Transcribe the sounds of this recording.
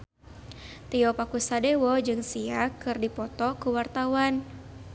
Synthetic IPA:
t̪iɔpakusadewɔd͡ʒɨŋsiakɨrdipɔt̪ɔkəwart̪awan

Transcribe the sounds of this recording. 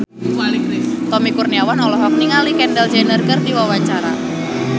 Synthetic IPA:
t̪ɔmikurniawanɔlɔɦɔk̚niŋalikɛndɛld͡ʒɛnərɡərdiwawaɲt͡ʃaɾa̰

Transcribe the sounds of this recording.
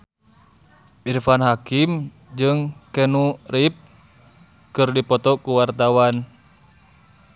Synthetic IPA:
ʔirfanɦakim | d͡ʒɨŋkɛnurip̚ | kɨrdipɔt̪ɔkuwart̪awan

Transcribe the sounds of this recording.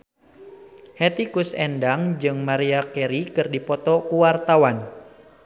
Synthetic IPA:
hɛt̪ikusɛ̰ndaŋd͡ʒɨŋmaɾiakɛɾikɨrdipɔt̪ɔkuwart̪awan

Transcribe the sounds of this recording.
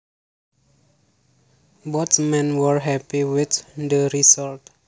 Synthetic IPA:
bɔtmɛ̃nwəɹɦɛpiwɪt̪d̪əɾisɔlt

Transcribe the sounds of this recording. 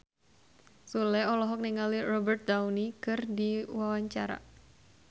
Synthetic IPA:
sulɛɔlɔɦɔk̚niŋalirɔbərt̪̚d̪awnikɨrdiwawaɲt͡ʃaɾa̰

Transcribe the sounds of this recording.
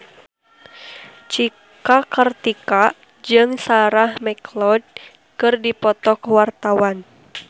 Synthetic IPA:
t͡ʃi | kakərt̪ika | d͡ʒɨŋsaɾahmɛklɔd̚ | kɨrdipɔt̪ɔkwart̪awan

